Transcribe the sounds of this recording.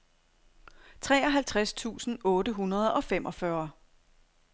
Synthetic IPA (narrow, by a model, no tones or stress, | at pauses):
t͡sʰʁɛːɒ̽ɦælt͡sʰʁast͡sʰṵːsn̩ɔ̽ːdəɦunɐð̞ˠɒ̽fem̰ʔɒ̽fɶɐ